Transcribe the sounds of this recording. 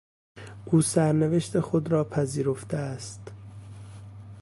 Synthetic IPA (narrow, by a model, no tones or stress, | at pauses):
ʔuːsæɾneve̞ʃt̪e̞xod̪ɾɒːpʰæziːɾo̞ft̪eæst̪